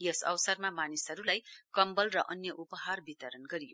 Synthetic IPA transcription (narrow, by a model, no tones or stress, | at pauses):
jʌsʌ̰wsʌrmamanisɦʌɾulajkʌmbʌlrʌʔʌnjʌʔupʌɦarbit̪ʌɾʌnɡʌɾijo